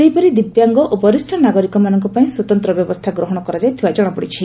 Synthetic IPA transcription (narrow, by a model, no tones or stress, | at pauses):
seɦipɔɾid̪ibjaŋɡɔʔopɔɾisʈʰɔnaɡɔɾikɔmanɔŋkɔpaĩswɔt̪ɔnt̪ɾɔbjɔbɔst̪ʰaɡɾɔɦɔɽ̃ɔkɔɾad͡ʒajt̪ʰibad͡ʒɔɽ̃ɔpɔɽit͡ʃʰi